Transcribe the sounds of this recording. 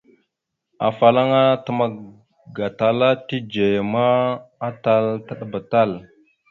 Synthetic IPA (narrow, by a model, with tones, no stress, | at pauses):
a̰˨fa˨la˦ŋa˦ta˦ma˨ | ɡa˨ta˨la˦ti˦d͡ʒe˨maː˦ta˦lta˦ɗa˨ba˨ta˦˨l